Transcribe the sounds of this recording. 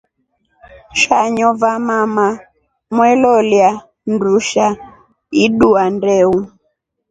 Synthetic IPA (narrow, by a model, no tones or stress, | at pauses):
ʃaɲɔvamama | mwɛlɔlja | nduʃa | iɗuandɛu